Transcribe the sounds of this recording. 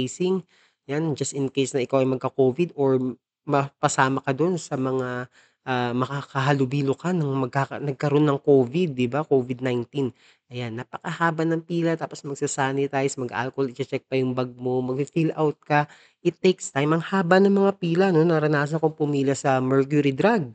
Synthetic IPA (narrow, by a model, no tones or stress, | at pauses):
jsɪŋ | jand͡ʒɐst̪ɪnkejsnɐʔɪkawʔɐjmɐɡ̚kɐkoːvɪd̪oɹ | mɐpɐsaːmɐkɐd̪o̞nsɐmɐŋa | ʔamɐkakɐɦɐlʊbiːlokanɐŋmɐɡ̚kaknɐɡ̚kɐɾo̞nːɐŋko̞ːvɪd̪̚ːɪbakoːvɪd̪̚najnt̪in | ʔɐjanːapɐkɐhaːbɐnɐŋpiːlɐt̪aːpo̞smɐɡ̚sasaːnɪt̪ajsmɐɡɐ̰ʔa̰lkolɪt͡ʃɐt͡ʃɛk̚pɐjʊŋbɐɡ̚mo̞mɐɡ̚fifilʔawt̪̚kɐ | ʔɪt̪ːekst̪ajmʔɐŋhaːbɐnɐŋmɐŋapiːlɐno̞nɐɾɐnaːs̬ɐnkoŋpʊmiːlɐsɐmɛɹk̬jʊɾid̪ɾaɡ̚